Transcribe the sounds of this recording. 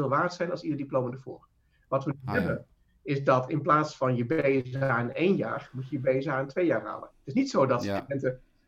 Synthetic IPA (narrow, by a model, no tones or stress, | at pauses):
ɪlˠʋaːrtsɛjnɑlˠsilədiplowmədəːɹvʊ̰ːr | ʋɑtʋənɦɛbən | ɪzdɑtɪnplaːtsfɑnjəbejzaːnejnja̰ːrmucəjəbejzaːəntʋejaːɹɦa̰ːlənətɪsnitsowdɑtstydɛntə